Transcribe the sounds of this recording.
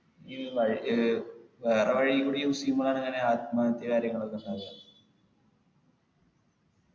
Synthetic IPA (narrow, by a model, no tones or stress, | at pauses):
iːʋɐɻi | ʋeːreʋɐɻikːuːɽijumusikːumːoɭaːɳeŋːɐne̞aːd̪maːnɐt̪ːjɐkaːɾjɐŋːɐɭokːesaːd̪ɐ